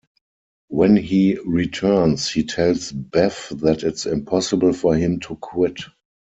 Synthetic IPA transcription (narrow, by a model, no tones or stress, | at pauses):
wɛ̃nhiːɹitʰɜ˞nshiːtʰɛlsbɛfðætɪtsɪ̃mpʰɔsəbəl̩fɔhɪ̃mtʰukʰwɪt